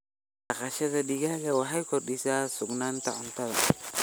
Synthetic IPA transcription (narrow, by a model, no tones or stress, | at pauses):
ɐqɑʃɐðɐɗɪɣaːɣɐwɑħɐjkʰɔrɗɪsaːsʊɡnaːnt̪ʰɐʕʊnt̪ʰɐðɐ